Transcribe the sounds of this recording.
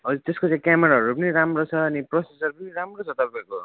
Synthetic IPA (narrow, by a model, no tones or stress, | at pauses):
ɦʌd͡zut̪eskot͡sãĩkameɾaɦʌɾupʌniɾamrot͡sʰʌːniprosesʌɾupʌniɾamrot͡sʰʌt̪ʌrpajko